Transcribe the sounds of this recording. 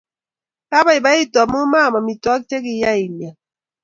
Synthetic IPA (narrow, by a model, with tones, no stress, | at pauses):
ka˦ba˨˦i˨ba˦i˦ta˨mu˦ma˦˨ma˨mi˨tɔ˦k̚t͡ʃe˦ki˦ja˦i˨lja˨